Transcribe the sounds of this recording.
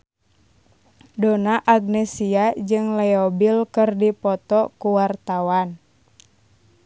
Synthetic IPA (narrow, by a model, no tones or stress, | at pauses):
donaʔaɡ̚nɛsiad͡ʒɨŋlɛɔbilkɨrdipɔt̪ɔkuwart̪awan